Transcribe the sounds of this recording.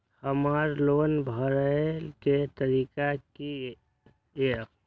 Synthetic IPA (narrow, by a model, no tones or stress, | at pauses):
həmaːɾloːnbʱəɾəket̪əɾiːkaki | e